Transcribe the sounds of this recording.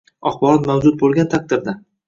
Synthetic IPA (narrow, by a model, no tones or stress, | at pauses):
ɒχbɒɾɒt̪mawd͡ʒʊt̪̚bolˠɡʲant̪ʰak̚t̪ɪɾd̪a